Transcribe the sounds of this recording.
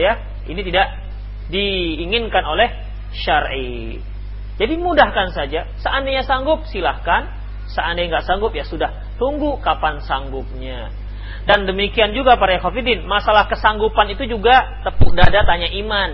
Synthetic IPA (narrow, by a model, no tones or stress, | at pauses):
ja | init̪idaʔ | diːŋɪnkanolɛh | ʃarḭ | d͡ʒadimudahkansad͡ʒa | səandajɲasaŋɡʊp̚silahkan | səandajŋɡaʔsaŋɡʊp̚jasudah | t̪uŋɡukapansaŋɡʊp̚ɲa | dandəmikiand͡ʒuɡapaɾajakafidɪnmasalahkəsaŋɡupanit̪ud͡ʒuɡat̪əpudadat̪aɲaʔiman